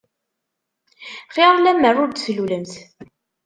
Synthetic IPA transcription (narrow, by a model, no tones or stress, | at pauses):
χeɾˤlæmːərʊɾd̪θluləmθ